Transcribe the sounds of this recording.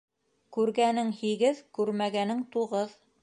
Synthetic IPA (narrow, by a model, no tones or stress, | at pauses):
kʉɾɡænɘŋhiɡɘðkʉɾmæɡænɘŋt̪uʁɤð